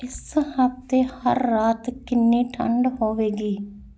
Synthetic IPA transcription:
ɪshəp̚t̪eːhə̰ɾːaːt̪kɪnːiːʈʰə̰ɳɖɦoːʋeːɡiː

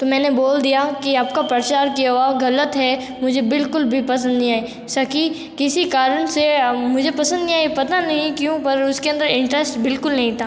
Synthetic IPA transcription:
t̪omɛ̃ːneboːld̪ijakiaːp̚kapɾɐɾt͡ʃaːɾkiaɦoaɡɐlət̪ɦɛ | mʊd͡ʒʱebɪlkʊlbʱipɐs̬ə̃nd̪nĩaːi | sɐki | kɪsikaːɾəɳsemʊd͡ʒʱepɐsə̃nd̪nĩaːipɐt̪anɐɦĩkjũpɐɾʊskeɐ̃nd̪əɾɪ̃ɳʈɾɛsʈbɪlkʊlnɐɦĩt̪ʰaː

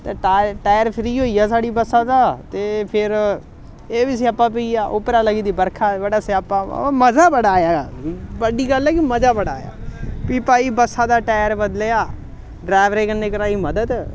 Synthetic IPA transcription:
t̪eːʈaːʈaːjəɾpʰɾiːɦoːiːaːs̬aːɽiːbəsaːd̪aːt̪eːpʰɪɾ | eːbis̬iəpːãːp̬iiːjaːʔʊpɾaːləɡiːd̪iːbəɾkʰaːʋəɽaːseəpːã̰ːməzaːbəɽaːjaːaːbəɖiːɡəlɛːkiməzaːbəɽaːja̰ːpiːpaːiːbəsaːd̪aːʈaːjəɾbəd̪leːaː | ɖɾaːʋɾeːkənːeːkəɾaːiːməd̪əd̪

